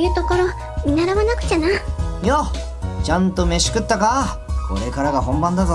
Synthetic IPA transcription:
jɯ̟t̪oko̞ɾo | mʲinaɾaβanakɯ̟̥t͡ɕanajo | t͡ɕãnt̪o̞me̞ɕi̥kɯ̟t̪ːaka | ko̞̰ɾe̞kaɾaɡaɦõ̞mbãnd̪azo

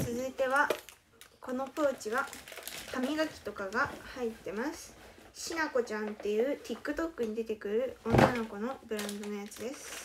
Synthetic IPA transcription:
t͡sɨzɨit̪e̞βa | ko̞no̞poːt͡ɕiβakʰamʲiɡakʲi̥t̪o̞kaɡahait̪ːe̞masɨ̥ɕinako̞t͡ɕãnt̪e̞jɯ̟ːt̪ʲikːɯ̟t̪o̞kːɯ̟ɲ̟id̪e̞t̪e̞kɯ̟ɾɯ̟õ̞nːano̞ko̞no̞bɯ̟ɾãnd̪o̞no̞jat͡sɨd̪e̞sɨ̥

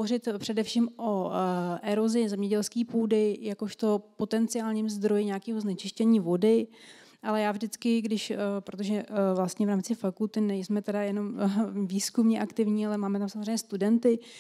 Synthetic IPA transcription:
orɪt̪pr̝̥ɛdɛfʃiːmʔoʔɛɾo̞zɪzɛmɲɛɟɛlskiːpuːdɪjakoʃt̪o̞po̞t̪ɛnt͡sɪaːlɲiːmzd̪ɾo̞jɪɲaːkiːɦoznɛt͡ʃɪʃcɛɲiːvo̞dɪ | ʔalɛjaːvʒdɪt͡skɪɡdɪʃpɾot̪o̞ʒɛvlast̪ɲɛvɾaːmt͡sɪfakult̪ɪnɛjsmɛt̪ɛdajɛno̞mviːskumɲɛʔakt̪ɪvɲiːalɛmaːmɛt̪amsamozr̝ejɲɛst̪udɛnt̪ɪ

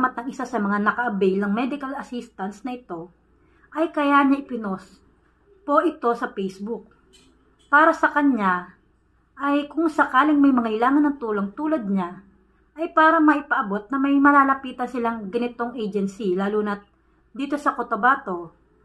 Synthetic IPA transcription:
mɐt̪̚nɐŋɪsasɐmɐŋanɐkɐʔɐbɛjlnɐŋmɛd̪ɪkɐlɐsist̪ɐnsnɐʔɪt̪o̞ | ʔɐjkɐjaɲaʔɪpɪno̞s | po̞ʔɪt̪o̞sɐpɛjsbʊk̚ | paːɾɐsɐkɐɲa | ʔɐjkʊŋsɐkaːlɪŋmɐjmɐŋɐjlaːŋɐnɐŋt̪uːlo̞ŋt̪uːlɐd̪̚ɲa | ʔɐjpaːɾɐmɐʔɪpɐʔɐbo̞t̪̚nɐmɐjmɐlaːlɐpiːt̪ɐnsɪlaŋɡɐnɪt̪o̞ŋʔɛjd͡ʒɛnsilaːluːnɐt̪̚ | d̪iːt̪o̞sɐkot̪obaːt̪o̞

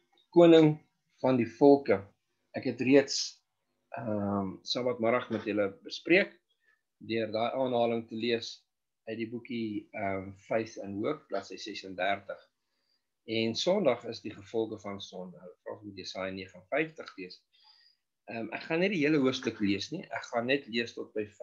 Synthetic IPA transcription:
kuənəŋ | fɐndifɔlˠkə | ʔækɦɛtriəts | ʔəmsɑbɐtmɐɾɐχmɛtɦələbəspriək | døərdɑːjʔɑːnɦɑːləŋtəliəs | œdibukiəmfɛjθənɦuəklɐtsəjsɛsəndærtəχ | ɛnsɔndɐχəsdiχəfɔlˠkəfɐnsɔnəəfrɑ̰ːχmut̚disɑːjnːiəχəənfɛjftəχliəs | əmʔæ̰kχɐnːɛdiɦiələɦuəfstəkliəsniʔæ̰kχɐnːɛtliəstɔt̚bəjf

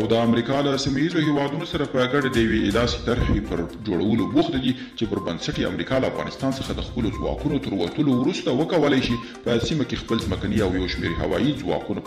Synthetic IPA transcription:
awd̪əamɾikɑlasimajizohewɑd̪unosaɾapəɡaɖad̪əjawed̪ɑse̥t̪aɾhepəɾd͡ʒoɽawəlobuxt̪ad̪i | t͡ʃepəɾbansaʈea̰mɾikɑlaa̰fɣɑ̰nɪst̪ɑnsəxad̪əxpəlozwɑ̰kunot̪əɾwa̰t̪əlowɾust̪awəkawəlajʃi | pəsimakexpəlzməkaniawjawʃmḛɾɦa̰wɑ̰jizwɑ̰kuna

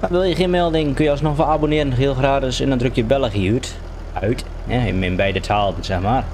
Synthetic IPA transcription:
maʋɪlˠjəxɪənmɛlˠdɪŋkønjəɔlˠsnɔxʋaabonɪəɾənxiəlˠxraːtɪsɛndɔndrøkjəbɛlˠəxiyt | œɥt | ɛɪmɪnbɛjdətʰaːlˠən̩sɛxmaːr

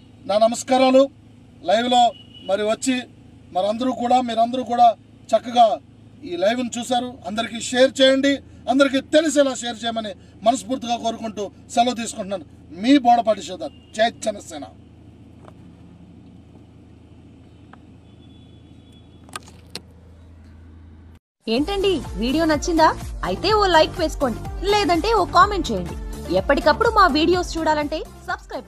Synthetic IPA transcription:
naːnɐmɐskaːɾaːlu | lɐjʋlo̞ːmɐɾiʋɐt͡ʃːi | mɐɾɐnd̪ɐɾuːkuːɽaːmiːɾɐnd̪ɐɾuːkuːɽaː | t͡ʃɐkːɐɡaː | iːlɐjʋnit͡ʃuːsaːɾuɐnd̪ɐɾikiːʃeːjɐɾt͡ʃɛːjɐɳɖiɐnd̪ɐɾikiːt̪elis̬ɛːlaːʃejɐɾt͡ʃɛːjɐmɐni | mɐnɐspuːɾt̪ːiɡaːkoːɾukuɳʈuː | sɐlot̪̬iːs̬ukuɳʈunaːnu | miːbɔːɽɐp̬ɐɖːit͡ʃɛːd̪ːaːɾut͡ʃeːjɐt̪̚d͡ʒɛnɐsɛːnɐ̰ | e̞ːɳʈɐɳɖiʋiːɽijo̞ːnɐt͡ʃːind̪aːɐjit̪e̞ːoːlɐjkʋe̞ːsu̥ko̞ːɳɖileːd̪ɐɳʈe̞ːoːkaːme̞ɳʈ̚t͡ʃejɐɳɖiɛpːɐʈikɐpːuɽumaːʋiːɽijo̞ːst͡ʃuːɽaːlɐɳʈe̞ː | sɐbskɾɐjp

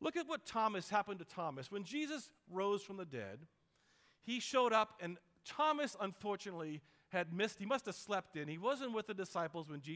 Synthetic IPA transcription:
lʊkɨt̚wʌtʰɑmɨshæpɨ̃ntɨtʰɑmɨswɨ̃nd͡ʒizɨs | ɹoʊz̥fɹʌ̃mðɨdɛ̰d̥̚ | iʃoʊɾʌpɨ̃n | tʰɑmɨsə̃ɱfɔɹt͡ʃɨnətˡli | ɨd̚mɪst̚himʌstɨv̥slɛp̚tɨ̃niwʌzɨ̃nʔwɨðɨdɨsaɪpl̩ˠzwɨ̃nd͡ʒi

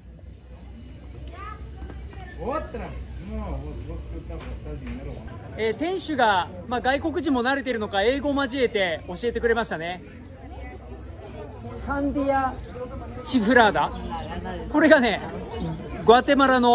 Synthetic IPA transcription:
tː | eːt̪ẽ̞ɰ̃ɕɨɡamaːɡaiko̞k̬ɯ̟ʑĩmːo̞naɾe̞t̪e̞ɾɯ̟no̞kae̞ːɡo̞maʑie̞t̪e̞o̞ɕie̞t̪e̞kɯ̟ɾe̞maɕi̥t̪ane̞ | sãnd̪ʲia | t͡ɕiɸɯ̟ɾaːd̪a | ko̞ɾe̞ɡane̞ | ɡɯat̪e̞maɾano̞

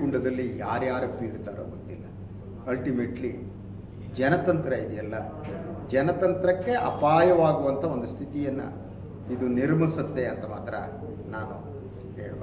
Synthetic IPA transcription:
ɡuɳɖɐd̪ɐlːijaːɾjaːɾɐpːiiɾt̪aːɾo̰ːɡot̪ːilːɐ | ɐlʈimeːʈli | d͡ʒɛnɐt̪ɐnt̪ɾɐid̪ijɐlːɐ | d͡ʒɛnɐt̪ɐnt̪ɾɐkːe̞ʔɐ̰paːjɐʋaːɡuʋɐnt̪ʰɐo̞nd̪ust̪ʰit̪ijɐnːɐ̰ | id̪uniɾmisɐt̪ːe̞ɐnt̪ɐmaːt̪ɾɐ̰ | naːnu | ḛː

